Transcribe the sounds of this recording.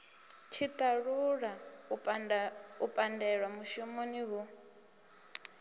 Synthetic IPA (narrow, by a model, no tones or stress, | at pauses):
t͡ʃʰit̪ʼaɺuɺa | upʼandɛɺwamuʃumɔniβu